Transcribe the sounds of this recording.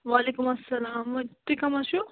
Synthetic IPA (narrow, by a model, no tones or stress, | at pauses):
ʋaːlekumɐsːɐlaːmʋɐt̪ːikɐmaɕu